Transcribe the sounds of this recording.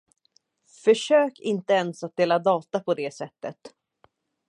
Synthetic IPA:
fœʂøːkɪnt̪əɛnsat̪̚d̪eːlad̪ɑːt̪apʰɔd̪eːsɛt̪ːə̰t̪

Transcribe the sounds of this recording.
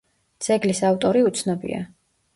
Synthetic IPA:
d̪z̥ɛɡlisavt̪ʼɔɾiut̪sʰnɔbḭa̰

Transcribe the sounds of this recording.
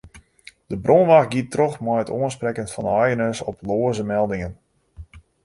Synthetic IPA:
d̥əbrʔonʋaxɡitrɔxmɔjətoənsprɛkəntfɑndajənəsɔploəzəmɛlˠdɪŋən

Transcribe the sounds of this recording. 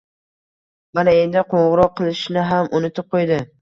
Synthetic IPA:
manae̞nd̪ɪqʰoɴʁɨɾɒqʰːɨlˠɪʃnɪɦamʔʊnɪt̪ʰɪp̚qʰojd̪ɪ

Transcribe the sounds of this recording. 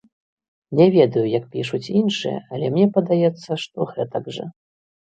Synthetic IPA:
nʲɛvʲɛd̪ɐjujɐk̚pʲiʂut͡sʲinʂɨjɛ̰ɐlʲɛmnʲɛpɐd̪ajɛt̪sːɐʂt̪ɔɣɛt̪ɐɡʐɐ̰

